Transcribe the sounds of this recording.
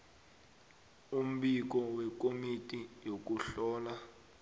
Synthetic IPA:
um̩ɓik̬ɔwɛk̬ʼomitʼijok̬uɬɔːla

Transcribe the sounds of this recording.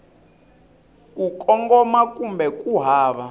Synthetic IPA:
kʼukʼɔŋɡɔmakʼumbɛkʼuɦaːβa

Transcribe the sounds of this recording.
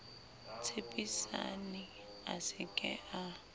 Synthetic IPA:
t͡sʰepʼisa̰nɪ | asɪkʼɛʔa

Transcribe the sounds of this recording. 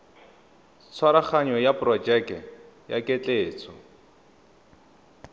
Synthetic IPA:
t͡sʰwaɾaχaɲɔjaprɔd͡ʒɛk | ja̰kʼet͡ɬʼeːt͡sʰɔ

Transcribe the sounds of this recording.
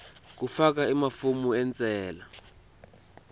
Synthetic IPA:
k̬ufak̬aimafumuɛnt͡sʼɛːla

